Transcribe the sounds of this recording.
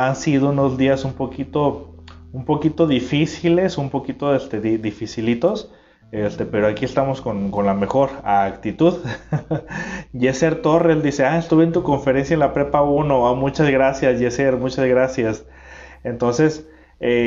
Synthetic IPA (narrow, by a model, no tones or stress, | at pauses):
ansiðouno̞zðiasumpo̞kit̪o̞umpo̞kit̪o̞ðifisile̞sumpo̞kit̪o̞est̪e̞ðiðifisilit̪o̞s | est̪e̞pe̞ɾoakiest̪amo̞sko̞nko̞nlame̞xo̞ɾakt̪it̪uð | ʝeseɾt̪o̞reld̪ise̞aest̪uβent̪uko̞ɱfe̞ɾensjaenlapɾepauno̞amut͡ʃazɣɾasjasʝeseɾmut͡ʃazɣɾasjas | ent̪o̞nse̞s | e